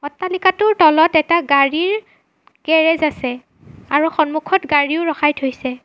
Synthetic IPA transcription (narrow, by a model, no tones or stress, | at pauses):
ɔtːalikatʊɹtɔlɔtɛtaɡaɹiɹ | ɡ̥ɛɹɛzasɛ | aɹuxɔnmukʰɔtɡaɹiʊɹɔxajtʰojsɛ